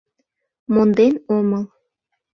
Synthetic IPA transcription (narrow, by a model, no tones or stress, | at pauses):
mond̪enoməl